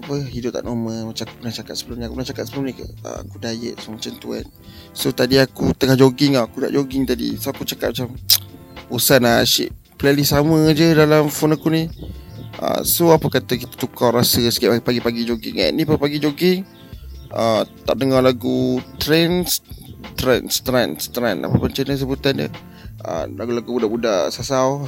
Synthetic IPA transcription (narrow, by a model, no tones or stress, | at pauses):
apəɦidʊp̚t̪a̰ʔnoməmat͡ʃamaku̥pənaht͡ʃakat̪səbəlʊmniakupənaht͡ʃakat̪səbəlʊmnika̰ə̰akudajə̰ʔ̚somat͡ʃamt̪ua̰n | sot̪adiakut̪əŋahd͡ʒoɡɪŋaakuda̰ʔd͡ʒoɡɪŋt̪adḭsakut͡ʃakat̪̚mat͡ʃam | usanaʃḭʔ | plɛlisaməd͡ʒədalamfɔnakuni | ʔə̰soapəkat̪əkit̪ḁt̪ukawɾasəsə̥kiaʔpaɡipaɡid͡ʒoɡɪ̰ŋa̰ʔnipapaɡid͡ʒoɡɪŋ | ət̪aʔ̚dəŋɔlaɡut̪ɾɛnst̪ɾɛnst̪ɾanst̪ɾa̰na̰papʊnt͡ʃənəs̬əbut̪and͡ʒə̰ | ə̰laɡulaɡubudaʔbudaʔsasaw